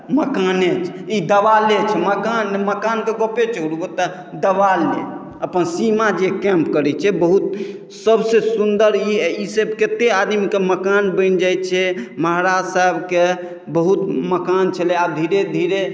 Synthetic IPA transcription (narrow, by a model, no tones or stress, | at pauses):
məkanet͡ʃʰid̪əʋalet͡ʃʰɛməkanːeməkankeɡopet͡ʃəɾubot̪ | d̪əʋalːḛ | əpənsimad͡ʒekɛ̃mpkəɾɛt͡ʃʰɛbəɦut̪̚ | səbsesund̪əɾiisəbket̪ead̪mikeməkanbə̃nd͡ʒajt̪̚t͡ʃʰɛməɦɾad͡ʒsaɦebke | bəɦut̪məkant͡ʃʰəleabd̪ʱiɾed̪ʱiɾe